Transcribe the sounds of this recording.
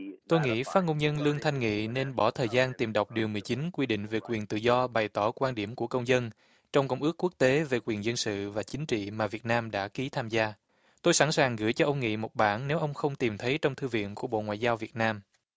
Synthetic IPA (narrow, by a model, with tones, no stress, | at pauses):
t̪o˧jŋḭ˧˥faː˨˦˥t̚ŋo˧ŋ͡mɲə˧nlɨ˧əŋt̪ʰa˧jŋ̟ŋḭ˧˨ne˧nɓɔ˧˩t̪ʰəː˨˩jzaː˧nt̪i˨˩mɗə˨˩wk͡p̚ɗi˨˩əwmɨ˨˩əjt͡ɕi˨˦ŋnkwi˧ɗḭ̈˧˨ŋ̟ve˨˩kwi˨˩ənt̪ɨ̰˧˨zɔ˧ɓa˨˩jt̪ɔ˧˩kwaː˧nɗi˧˩əmku˧˩əkə˧wŋ͡mzə˧n | t͡ɕɔ˧wŋ͡mkə˧wŋ͡mʔɨ˦˥kːu˦˥k̚t̪e˨˦ve˨˩kwi˨˩ənzə˧nsɨ̰˧˨vaː˨˩t͡ɕï˨˦ŋ̟t͡ɕḭ˧˨maː˨˩vi˨˩ət̚naː˧mɗa̰ː˧˥ki˨˦t̪ʰaː˧mzaː˧ | t̪o˧jsa˧˥˩nsaː˨˩ŋɣɨ˧˩jt͡ɕɔ˧ʔə˧wŋ͡mŋḭ˧˨mo˨˩t̚ɓaː˧˩nne˨˦wʔə˧wŋ͡mxə˧wŋ͡mt̪i˨˩mt̪ʰə˨˦jt͡ɕɔ˧wŋ͡mt̪ʰɨ˧vḭ˧˨ənku˧˩əɓo̰˧˨ŋwa̰ː˧˨jzaː˧wvi˨˩ət̚naː˧m